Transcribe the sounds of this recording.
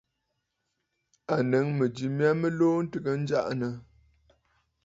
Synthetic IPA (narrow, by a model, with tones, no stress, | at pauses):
a˨nə˨˦ŋmə˨d͡ʒi˨mja˦mə˦loː˦n̩˦tə˨ɡə˨n̩˦d͡ʒa˦˨ʔnə˨